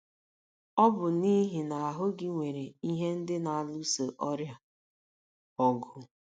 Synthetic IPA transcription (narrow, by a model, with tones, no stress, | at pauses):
ɔ˦bʊ˨ni˦ɦi˨na˨a˨ɦʊ˦ɡɪ˦ŋʷe˨ɾe˨i˦ɦe˦n̩˦dɪ˦na˨a˨lu˦se˨ʔɔ˦ɾja˨ | ɔ˨ɡʊ˦